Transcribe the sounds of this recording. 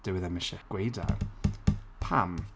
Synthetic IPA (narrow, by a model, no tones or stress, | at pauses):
d̥əwɪðamɪʃɛɡ̥wejda̰ | pʰam